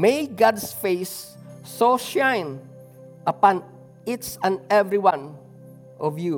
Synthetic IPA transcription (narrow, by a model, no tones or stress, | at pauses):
meɡadsfesː | oʃãɪ̃n | əpɔ̃n | itɛ̃nɛvɾiwãn | ɔvju